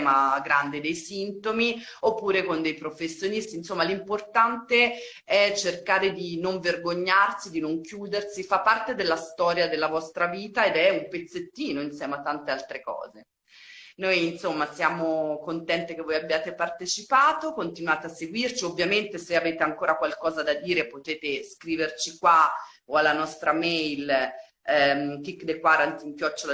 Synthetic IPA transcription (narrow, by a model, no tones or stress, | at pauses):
maɡɾand̪ed̪ejsint̪omiopːuːɾekond̪ejpɾofesːjonist̪iːnsomːalimport̪ant̪e | ɛt͡ʃerkaːɾed̪inoɱverɡoɲːarsid̪inoŋkjuːd̪ersifapːart̪ed̪elːast̪ɔːɾjad̪elːavɔst̪ɾaviːt̪aed̪ɛumpet̪sːet̪ːiːnoinsjɛːmeat̪ːant̪ealt̪ɾekɔ̰ːze | nojinsomːasjaːmokont̪ɛnt̪ekevːojabjaːt̪epart̪et͡ʃipaːt̪okont̪inwaːt̪easːeɡwirt͡ʃiovːjament̪eseaveːt̪eaŋkoːɾakwalkɔːzad̪ad̪iːɾepot̪eːt̪eskɾiːvert͡ʃikwa | oalːanɔst̪ɾamɛjl | kikːd̪ekwaɾant̪iŋkjɔt͡ʃːol